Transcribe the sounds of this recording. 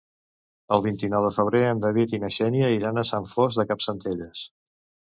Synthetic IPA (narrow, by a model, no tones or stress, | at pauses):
əlˠβ̞int̪inɔwðəfəβ̞ɾeənd̪əβ̞it̪inəʃɛnjəiɾanəsaɱfozðəkapsənt̪eʎəs